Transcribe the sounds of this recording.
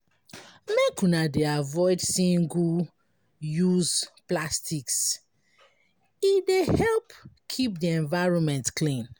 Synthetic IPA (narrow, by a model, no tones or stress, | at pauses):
mekũnadeavɔɪdsĩŋɡu | juzplastiks | idehɛlpkʰip̚diɛ̃ɱvaɪɹɔ̃nmɛ̃ntklĩn